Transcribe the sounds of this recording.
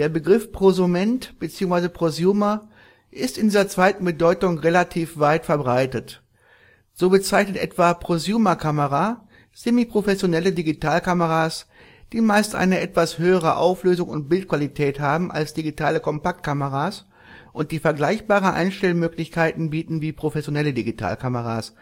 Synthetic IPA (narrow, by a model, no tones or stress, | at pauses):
d̥eːɐbəɡʁɪfpʁ̥ozumɛntb̥ət͡siːʊŋsv̥aɪzəpʁ̥ozjuːmɐ | ʔɪstɪndiːzɐt͡sv̥aɪtn̩bədɔʏtʊŋʁelatʰiːfv̥aɪtfɛɐbʁaɪtət | z̥oːbət͡saɪçnətʔɛ̰tv̥apʁ̥ozjuːmɐkʰaməʁa | semiːpʁ̥ofɛsjonɛlədiɡitaːlkaməʁaːs | d̥iːmaɪstʔa̰ɪnəʔɛtv̥ashøːəʁ̞əʔa̰ʊfløːzʊŋʊ̰nt̚b̥ɪltkv̥alitʰɛːthaːbm̩ʔa̰lsd̥iɡitʰaːləkʰɔmpak̚t̚kʰaməʁaːs | ʔʊnt̚d̥iːfɛɐɡlaɪçb̥aːʁənʔa̰ɪnʃtɛlmøːklɪçkaɪtn̩biːtn̩viːpʁ̥ofɛsjonɛlədiɡitʰa̰ːlkʰaməʁa̰ːs